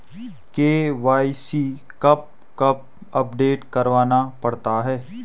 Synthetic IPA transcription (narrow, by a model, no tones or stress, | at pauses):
keːʋaːisi | kɐp̚ | kɐp̚ | ɐp̚ɖeːʈkɐɾʋaːnapɐɽt̪aɦɛː